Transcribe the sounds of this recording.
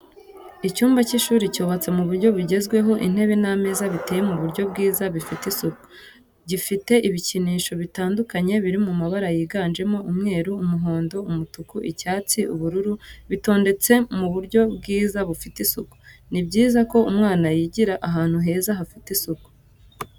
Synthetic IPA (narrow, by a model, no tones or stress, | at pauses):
icuːmbaciʃuːɾicoːβat͡se̞muβuɾɟo̞βiɟe̞zɡwe̞ɦo̞ʔḭn̥he̞βename̞ːzaβiteːje̞muβuɾɟo̞b̚ɡiːzaβifitisuku̥ | ɟifite̞ʔiβiciniːʃo̞βitaːndukaɲe̞βiɾimumaβaɾajiːɡaːnd͡ʒe̞mo̞umŋe̞ːɾuumuɦo̞ːndo̞umutukuʔicaːt͡siʔṵβuɾuɾuβito̞ːnde̞t͡se̞muβuɾɟo̞bɡiːzaβufitisuku̥nibɟiːzako̞umŋaːnajiɟiɾaʔaɦaːn̥huɦe̞ːzaɦafitisuku̥